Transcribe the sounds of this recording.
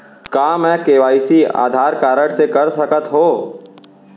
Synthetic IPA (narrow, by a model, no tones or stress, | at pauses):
kaːmɛ̃ːkeːʋaːisia̰ːd̪ʱaːɾkaːɾəɽ̃sekɐɾsɐkət̪ɦoː